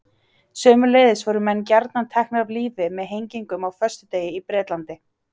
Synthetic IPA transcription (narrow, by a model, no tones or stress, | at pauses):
sœːmʏleːjðɪsvɔɾʏmɛnːc̬aɾt̪nant̪ʰɛhknavliːvɪmɛðɦejɲciŋkʏmawfœst̪ʏt̪eːjɪipɾɛːt̪lant̪ɪ